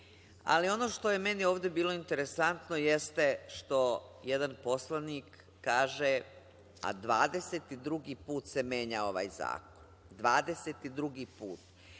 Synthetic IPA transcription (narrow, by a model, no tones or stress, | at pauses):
a̰lio̞no̞ʃt̪o̞je̞menio̞ːʋd̪e̞biːlo̞int̪eɾesant̪nojest̪e̞ʃt̪o̞jed̪anpo̞slˠaniːkː | aːʒe | a̰d̪ʋaːd̪e̞set̪id̪ɾuɡiːpuːt̪se̞me̞ːɲao̞ʋa̰ːjza̰ːkon | d̪ʋaːd̪e̞set̪id̪ɾuɡiːpuːt̪